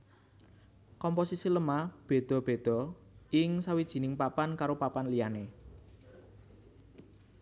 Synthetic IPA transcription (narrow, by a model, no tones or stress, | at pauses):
kɔmposisiləmab̥e̤d̪̥ɔ̤b̥e̤d̪̥ɔ̤ | ɪŋsawid̥ʒ̥i̤nɪŋpapankaɾopapanlijane